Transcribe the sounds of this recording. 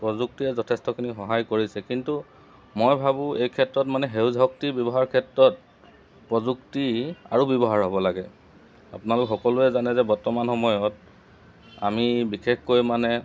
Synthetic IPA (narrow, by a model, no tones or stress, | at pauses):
pɹɔzuk̚tiɛzɔtʰɛstɔkʰinixɔɦajkoɹisɛkintu | mojbʱabʊ̃ejkʰɛtɹɔt̚manɛɦewzʱɦɔk̚tibɔbɔɦaɹkʰɛtɹɔt̚ | pɹɔzuktia̰ɹubɔbɔɦaɹɦɔbɔlaɡɛ | apʊnalʊkxɔkɔlʊɛzanɛzɛbɔɹtɔmanhɔmɔjɔt | a̰mibixʰekkojmanɛ